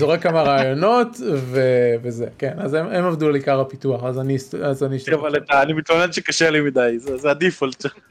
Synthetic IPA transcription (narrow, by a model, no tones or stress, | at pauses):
zoʁekamaʁaːjo̞no̞tveveze̞ke̞nazememavd̪ualikaʁapituaχazanistazaniʃt̪avalet̪aːnimit̪lonedʃekaʃelimid̪ajzezead̪ifalt͡ʃa